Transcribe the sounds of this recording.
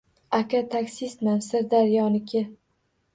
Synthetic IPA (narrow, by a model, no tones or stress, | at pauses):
akʲʰat̪ʰakʲsɪsmansɪɾd̪aɾjɒnɪkʲʰɪ